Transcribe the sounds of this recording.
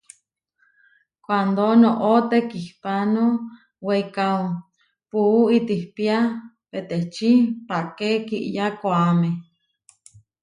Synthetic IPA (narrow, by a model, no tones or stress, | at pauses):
kʷand̪onoʔot̪ekihpano | weikao | puːit̪ihpia | pet̪et͡ʃipakekiʔjakoame